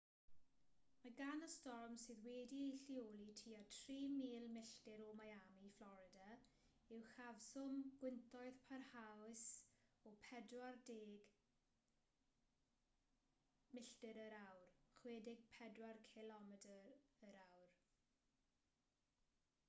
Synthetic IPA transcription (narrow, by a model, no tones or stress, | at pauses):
maɡanəstɔrmsɨːðwɛːdiejɬiolˠitʰiːatʰriːmiːlˠmɪɬdɪɾɔmajamiflˠɔɾɪda | ɪwxavsʊmɡ̥wɪntʰɔɨðpʰarhawɪsɔpʰɛdwardeːɡ | mɪɬtɪɾəɾawrχweːdɪɡ̚pʰɛdwarkʰɪlɔmɛdəɾəɾawr